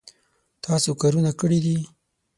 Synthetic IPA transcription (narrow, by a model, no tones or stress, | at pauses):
t̪ʰɑsokaɾunakəɽid̪i